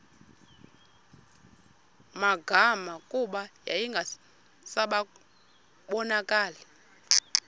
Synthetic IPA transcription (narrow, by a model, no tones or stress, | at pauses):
maɡʱamakʼuɓaja̰jiŋɡʱa | saɓa | ɓɔnakʼaːlɛ